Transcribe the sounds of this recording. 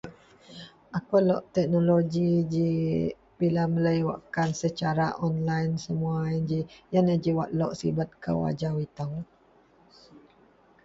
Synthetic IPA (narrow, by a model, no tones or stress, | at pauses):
ʔakolɔʔt̪ɛk̚noloɡid͡ʒi | bilamələjwa̰ʔkansət͡ʃaɾaʔɔnlajnsəmuaind͡ʒijanəd͡ʒiwaʔlɔʔsḭbat̪̚kə̰wa̰d͡ʒawit̪aw